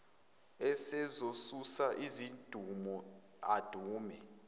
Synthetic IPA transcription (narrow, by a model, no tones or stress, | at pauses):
ɛsɛzosusaʔizind̥ʱumɔ | ad̥ʱuːmɛ